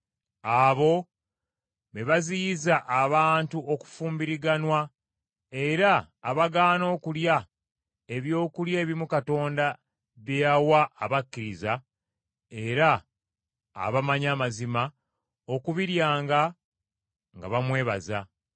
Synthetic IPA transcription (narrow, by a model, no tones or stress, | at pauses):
aːβo̞ | βeβaziːzaʔːβaːntuʔo̞ku̥fuːmbiɾiɡanwa | e̞ɾaː | βaɡaːno̞ːkulja | e̞βjo̞ːkuljae̞ːβiimukato̞ːnda | βjejawaːβakːiɾiza | e̞ɾa̰ː | βamaɲaːmazima | o̞kuβiɾjaːŋɡa | ŋɡa̰βamwe̞ːβa̰za̰